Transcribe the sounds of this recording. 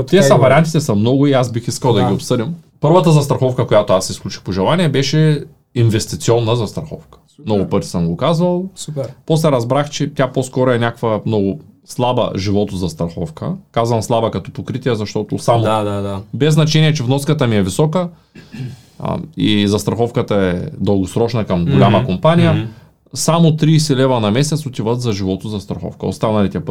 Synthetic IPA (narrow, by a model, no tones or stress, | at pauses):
t̪ʲɛɐvɐɾiant̪it̪ɛsɐmnɔɡʊiazbixiskɐlˠd̪ɐɡʲiopsɤd̪im | pɤɾvɐt̪əzɐst̪ɾɐxɔfkəkojat̪oasɛsklʲut͡ʃi̥xpoʒɛlˠaniɛbɛʃɛ | invɛst̪it̪siɔnːəzɐst̪ɾɐxɔ̰fkə̥ | mnɔɡʊpɤɾt̪i̥səmɡokazvɐlˠupɔs̬lɛɾɐzbɾaxt͡ʃɛt̪ʲjaposkɔɾoɛnʲakvɐmnɔɡʊslˠabɐ̰ʒivɔt̪ozɐst̪ɾɐxɔfkə̰kazvɐmslˠabɐkɐt̪ɔpokɾit̪iɛzɐʃt̪ɔt̪ʊsamad̪ad̪abɛznɐt͡ʃɛniɛt͡ʃɛvnɔskət̪əmiɛvisɔkə | izɐst̪ɾɐxɔfkət̪ɐɛd̪ɐlˠɡʊsɾɔt͡ʃnɐkɐmɡolʲamɐkompanijə | samot̪ɾiːsilɛvɐnɐmɛsɛt̪sot̪ivət̪zɐʒivɔt̪ozɐst̪ɾɐxɔ̰fkə̰o̰st̪anɐlit̪ɛp